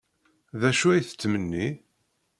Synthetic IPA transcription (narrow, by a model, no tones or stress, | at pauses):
ðæʃuæjθə̥t͡sːmənːi